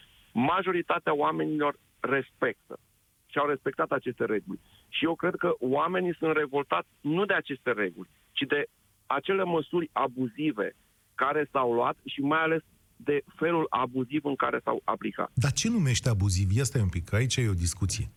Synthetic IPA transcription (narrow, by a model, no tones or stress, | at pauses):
maʒo̞ɾit̪at̪eaoame̞nilo̞rː | e̞spe̞k̚t̪ə̰ | ʃiawɾe̞spe̞k̚t̪at̪at͡ʃe̞st̪e̞ɾe̞ɡulʲ | ʃijewkɾe̞d̪̚kəoame̞nisunt̪re̞vo̞lt̪at̪sʲnud̪e̞at͡ʃe̞st̪e̞ɾe̞ɡulʲ | t͡ʃid̪e̞ | at͡ʃe̞le̞məsurʲabuzive̞̰ | kaɾe̞sawloat̪ʃimajale̞s | d̪e̞fe̞lulʔa̰buzivɨŋkaɾe̞sa̰wa̰plika̰t̪d̪at͡ʃe̞nume̞ʃt̪eabuzivjast̪ajeumpikait͡ʃajeo̞d̪iskut̪sije̞